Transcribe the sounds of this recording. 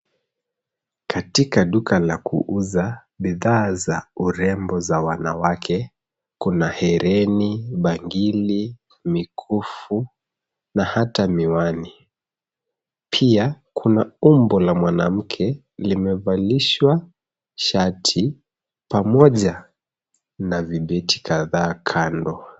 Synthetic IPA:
katikaɗukalakṵʔuza | ɓiðaːzauɾɛmbɔzawanawakʰɛ | kunahɛɾɛniɓaŋɡili | mikʰufu | nahatamiwani | pʰiakʰunaumbɔlamwanam̩kʰɛ | limɛvaliʃwa | ʃatʰi | pamɔʄa | naviɓɛti̥kʰaðaːkʰandɔ

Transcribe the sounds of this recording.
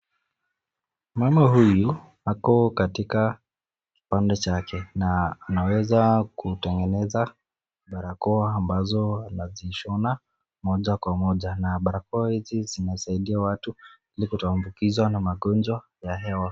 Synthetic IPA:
mamahuju | hakɔkatika | ki̥pandɛt͡ʃakʰɛnaːnawɛzakutɛŋɡɛnɛza | ɓaɾakɔaːmbazɔanaziʃɔna | mɔʄakwamɔʄanaɓaɾakɔahizizinasaiɗiawatuilikutɔambukizwanamaɠɔnd͡ʒwa | jaɦɛwa

